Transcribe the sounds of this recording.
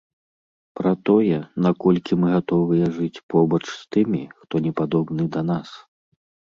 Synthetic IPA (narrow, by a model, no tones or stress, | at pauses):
pɾɐt̪ɔjɛnakɔlʲkʲimɨɣat̪ɔvɨjɛʐɨt͡sʲpɔbɐt͡ʂst̪ɨmʲixt̪ɔnʲɛpad̪ɔbnɨd̪ɐnas